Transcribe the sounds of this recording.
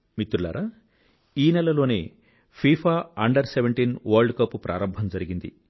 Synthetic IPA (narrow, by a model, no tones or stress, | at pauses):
mit̪ɾula̰ːɾɐ | iːnɛlɐlo̞ːnḛː | pʰiːpʰaːɐɳɖɐɾseʋeɳʈiːnʋɐːɾlɖkɐpːupɾʔa̰ːɾɐmbʱɐmd͡ʒɐɾiɡind̪ḭ